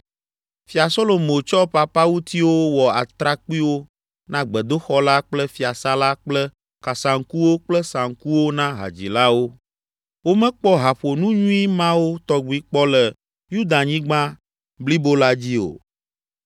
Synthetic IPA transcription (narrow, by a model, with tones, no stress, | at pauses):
fi˨a˨so˦lo˨mo˨t͡ʃɔ˦pa˨pa˦wu˦t̪i˦wo˦wɔ˨a˨t̪ɾa˦k͡pi˦wo˦ | nã˦ɡ͡bɛ˨d̪o˦xɔ˦la˦k͡plɛ˦fi˨a˨sa˦la˦k͡plɛ˦ | ka˨sa˨ŋ̩˨ku˦wo˦k͡plɛ˦sã˨ŋ̩ku˦wo˦nã˦ɦa̰˨d͡ʑḭ˨la˦wo˦ | wo˦mɛ̃˦k͡pɔ˦ɦa˨ɸo˨nũ˦ɲũ˦i˦mã˦wo˦t̪ɔ˦ɡ͡bu˦i˦k͡pɔ˦lɛ˨ | ju˦d̪a˨ɲĩ˦ɡ͡bã˦ | bli˦bo˦la˦d͡ʑi˦o̰˨